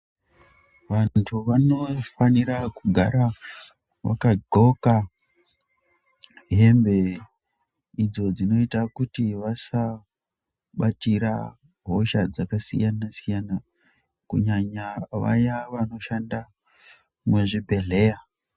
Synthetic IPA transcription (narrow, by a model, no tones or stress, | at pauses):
ʋantʰuʋano̞faniɾakuɡʱaɾa | ʋa̰kaɡʱoka | ɦe̞mbe̞ | id͡zo̞d͡zino̞itakutiʋasa | ɓatiɾa | ɦo̞ʃad͡zakasḭjanasijana | kṵɲaɲaʋa̰jaʋano̞ʃanda | meʐibʱe̞ɮe̞ja